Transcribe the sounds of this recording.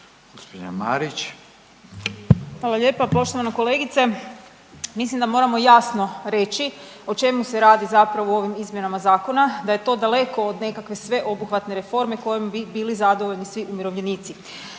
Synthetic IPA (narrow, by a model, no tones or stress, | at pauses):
ɡ̥ospoa̰ma̰ɾit͡ʃ | xʋaːlˠaʎe̞ːpapo̞ʃt̪o̞ʋanako̞le̞ːɡit̪se̞ | mislimd̪amo̞ɾamo̞jasno̞ɾe̞t͡ʃiot͡ʃe̞muse̞ɾaːd̪izapɾaʋoo̞ʋimizmje̞namazaːko̞nad̪aje̞t̪o̞d̪ale̞ko̞od̪ne̞kakʋe̞sʋe̞ʔo̞buxʋat̪ne̞ɾefo̞ɾme̞ko̞jembibiːlizad̪oʋo̞ʎnisʋiʔumjiɾo̞ʋʎe̞niːt̪si